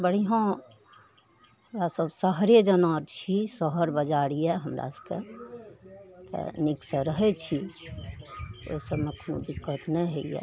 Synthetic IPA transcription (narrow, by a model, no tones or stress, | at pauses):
bəɽ̤iɦã | həmɾasəbsəɦɾed͡ʒənaɾt͡ʃʰisəɦəɾbəd͡ʒaɽijɛɦəmɾa̰skḛ | t̪ɛ̰niksəɾəɦɛt͡ʃʰi | o̰səbmẽkonṵd̪ikːət̪nɛɦeijɛ̰